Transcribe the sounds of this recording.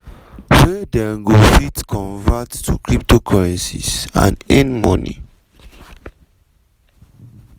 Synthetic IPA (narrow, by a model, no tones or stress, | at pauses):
wɛdɛɡofitkʰɔ̃nvattṵkʰɹip̚tokʰɔɹɛ̃nsisã̰nɛ̃nmɔnḭ